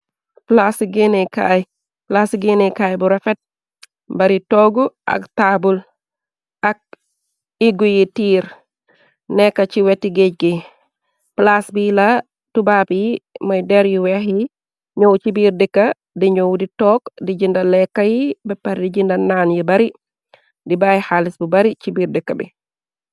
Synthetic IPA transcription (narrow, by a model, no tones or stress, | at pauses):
plasɡenɛka̰ːj | plasɡinɛkaːjbuɾɐfɛt̚ | bɐɾitɔɡuʔɐ̰ktaːbul | ɐk̚ | iɡujitiːɾ | nɛkːɐt͡ʃiwɛtːiɡec̚ɡi | plasbila | tubaːpijimɔjdɛɾjiwɛhi | ɲɔwt͡ʃibiːɾdikːɐ | diɲɔwditɔːkdiɟindɐlɛkːajibɛpːaɾdiɟindɐnaːnjibɐɾi | dibajhalisbubɐɾit͡ʃibiːɾdikːabḭ